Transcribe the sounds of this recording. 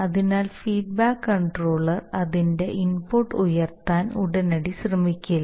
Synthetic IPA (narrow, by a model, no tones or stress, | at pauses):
ɐðinaːlfiːɖ̚baːkːɐɳɖroːɭɐrɐðinde̞ʔinpuʈːujɐrt̪aːnuɽɐnɐɽiɕrɐmikʲːilɐ